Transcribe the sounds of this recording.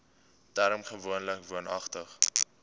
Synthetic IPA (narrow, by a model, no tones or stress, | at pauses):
dæːɾəmχəvuənləkvuənɐ̰χtəχ